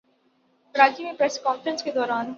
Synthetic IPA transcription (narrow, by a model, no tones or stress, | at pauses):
ɾaːd͡ʒimẽpɾɛskɔːnfɾə̃nsked̪ɔːɾaːn